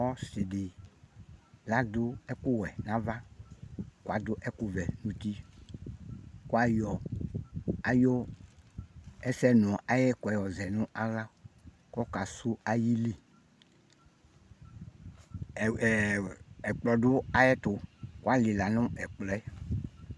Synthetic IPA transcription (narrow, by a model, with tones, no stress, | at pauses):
ɔ˦se˨di˨ | la˦d̪ʊ˦ɛ˦ku˦wɛ˨nã˦va˦ | ku˦a˨d̪o˦ʔɛ˦ku˦vɛ˨nũ˨t̪i˦ | ku˦a˦jɔ˨ | a˨jo˦ | ɛ˦sɛ˦nũ˨ɔ˨ʔa˨jɛ˦kɔ˨ɛ˨jɔ˨zɛ˨nũ˦ʔa˦la˦ | kɔ˦ka˨su˦a˦ji˦li˨ | ɛ˨k͡plɔ˨do˦a˦jɛ˦t̪o˨ku˦a˦li˨la˨nũ˦ɛ˨k͡plɔ˨˦ɛ˦